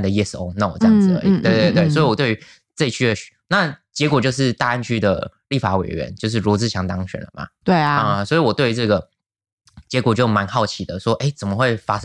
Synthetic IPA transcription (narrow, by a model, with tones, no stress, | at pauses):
nd̪ə˩jɛ˥˧so˧ʊno˥˩ʊ˩ʈ͡ʂɑ˥ŋd͡z̩˨ə̰˧˦i˨˩t̪we˥˧ɪt̪we˥˧t̪we˥˩ɪwɔ˧˥i˧wɔ˨˩t̪we˥˩ɪy˧˦˥ | t͡sə˥˧i˧t͡ɕʰy˥˧˩na˥˨˩t͡ɕjɛ˧˥kwɔ˨˩t͡ɕjo˥˧ʊʂ̬ɻ̩˥˧t̪a˥˧a˥˧nt͡ɕʰy˥d̪ə̰˨li˥˩fa˧˥wḛ˨˩ɪɥɛ̰˧˦nt͡ɕjo˥˧ʊʂ̬ɻ̩˥˩ɻɔ˧˥t͡sɹ̩˥˩ɕʰjɑ˧˥ŋt̪ɑ˥ŋɕɥɛ̰˨˩nlə̰˩ma̰˨˩t̪we˥˩ɪ˧ə˧swɔ˧˥i˧˥wɔ˨˩t̪we˥˩ɪy˧˥ʈ͡ʂɤ˥˩ɡə˩ | t͡ɕjɛ˧˦˥kwɔ˨˩t͡ɕjo˥˩ʊma˧˦˥nxɑ˥˩ʊt͡ɕʰi˨˩d̪ə˦ʂwɔ˥ʔe˥˩ɪt͡sə˨˩nmə˦xwe˥˩ɪfa˥